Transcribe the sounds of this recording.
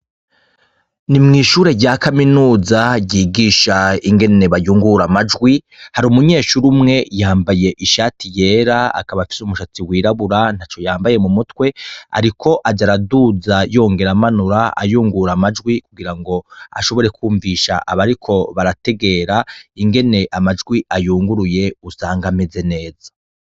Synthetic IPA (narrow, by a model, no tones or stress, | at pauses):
nimŋiːʃuːɾe̞ɟakaminuːzaɟiːɡiːʃaiŋɡe̞ne̞βajuːŋɡuɾamad͡ʒɡwi | haɾumuɲe̞ːʃuɾumŋe̞jaːmbaje̞ʔiʃaːtʰije̞ːɾaa̰kaβafi̥sumuʃat͡siwiːɾaβuɾan̥hat͡ʃo̞jaːmbaje̞mumutwe̞a̰ɾikʰo̞ʔaɟaɾaduzajo̞ːŋɡe̞ɾamanuɾaa̰juːŋɡuɾamad͡ʒɡwikuɡiɾaŋɡo̞a̰ʃo̞βo̞ɾe̞kʰuːɱviʃa̰ʔaβaɾikʰo̞βaɾate̞ɡe̞ɾaiŋɡe̞ne̞ʔamad͡ʒɡwiʔajuːŋɡuɾuje̞usaːŋɡame̞ze̞ne̞ːzḁ